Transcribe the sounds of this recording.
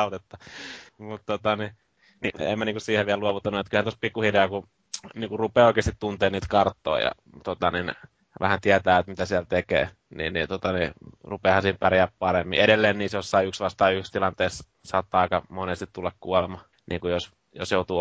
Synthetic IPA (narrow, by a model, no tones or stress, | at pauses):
ut̪et̪ːɑmut̪t̪ot̪ɑni | niḛmːæniŋkussiːheʋʋiælluoʋut̪ːɑnuet̪kylhænt̪ospikːuhireɑku | niːkurrupeːoˑikˑeːst̪it̪t̪unt̪eːniːt̪kɑrt̪ːo̰ːijɑ̰ | t̪ot̪ɑnin | ʋæ̰hænt̪iæt̪æːet̪mit̪æsiælt̪ekḛː | nḭːnnḭt̪ot̪ɑnirupeːhɑnsiːimpærijæːppɑremːḭeɾelːeːnniːsjosːɑiyksʋɑst̪ɑiykst̪ilɑnt̪eːs | sɑt̪ːɑˑikɑmonest̪it̪t̪ulːɑkkuɔlemɑ | nḭːŋkujos | jo̰sjoˑut̪uː